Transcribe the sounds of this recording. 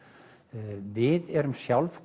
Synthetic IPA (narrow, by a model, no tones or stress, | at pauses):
vɪðɛɾʏmsjawlvk